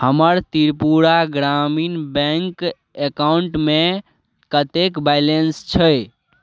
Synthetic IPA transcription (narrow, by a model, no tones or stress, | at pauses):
həməɾt̪iɾpuɾaɡɾaminbɛ̃ŋk | ekawuɳʈme | kət̪ekbajlenst͡ʃʰəj